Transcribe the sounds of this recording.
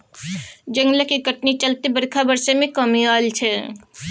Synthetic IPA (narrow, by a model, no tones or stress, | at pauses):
d͡ʒə̃ŋɡlakiɡəʈnit͡ʃəlt̪ebəɾkʰabəɾsemẽkəmialt͡ʃʰɛ